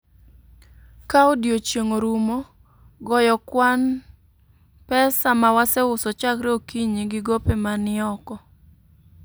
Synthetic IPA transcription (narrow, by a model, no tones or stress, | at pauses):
kaodjot͡ʃjeŋoɾumo | ɡɔjɔkwan | pɛsamawasɛʊsɔt͡ʃakɾeokiɲiɡɪɡopemanɪɔkɔ